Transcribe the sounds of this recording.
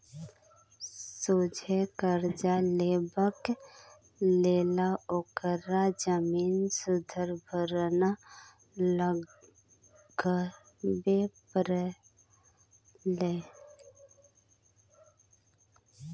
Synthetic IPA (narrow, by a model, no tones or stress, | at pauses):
soːd͡ʒʱekəɾd͡ʒaleːbək | leːlaokəɾad͡ʒəmiːnsʊd̪ʱəɾbʱəɾna | lə | ɡə | bepɾə | le